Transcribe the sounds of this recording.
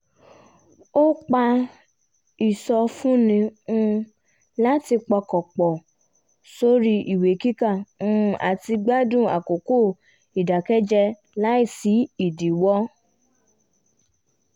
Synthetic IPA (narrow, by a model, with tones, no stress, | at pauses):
o˦k͡pa˧ | i˨sɔ˧fũ˦nĩ˧ũ˧ | la˦ti˧k͡pɔ˧kɔ˨k͡pɔ˨ | so˦ɾi˦ʔi˨we˨ki˦ka˦˨nũ˦˧˦ʔa̰˨ti˧ɡ͡ba˦dũ˦˨a˨ko˨ko˦˨ | i˨da˨kɛ˦d͡ʒɛ˧ | la˦i˦˨si˨˦i˨di˨wɔ˦